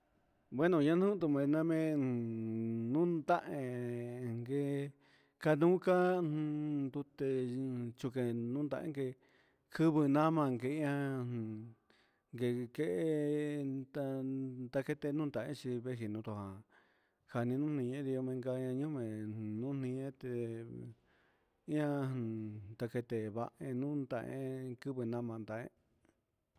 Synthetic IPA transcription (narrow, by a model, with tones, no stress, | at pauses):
bwe˦nõ˧˨ɲã˦nũ˦t̪u˧˨mẽ˧˨nã˧mẽ˧˨ | nũ˦d̪a˦ʔẽ˧ŋɡe˧ | ka˧nũː˦kã˦˧ | d̪u˧t̪e˧t͡ʃu˧ke˧nũ˦nd̪ã˧ʔḛ̃˦ŋɡe˧ | kʰɨ˦βɨ˧nã˦mã˧˨ŋɡe˧˨˧ã˧˨ | ŋɡe˨ke˦ʔe˦˧ | t̪a˧t̪a˧ke˦˧t̪e˧nũː˦nd̪a˨ẽ˦t͡ʃi˧βe˦ɦi˨nũ˧t̪o˧˨hã˨ | ha˧nĩ˧nũ˦nĩ˧ẽ˦ði˧o˧mẽ˧ŋɡa˧ã˧ɲũ˦mẽ˨nũ˦n̥ĩ˧ẽ˦t̪e˧ | i˦ã˧˨ | t̪a˧ke˧t̪e˧˨βa˧ʔẽ˧nũ˦nd̪ã̰˧ʔḛ̃˦kɨ˦βɨ˧nã˦mã˧nd̪a˨ʔḛ̃˦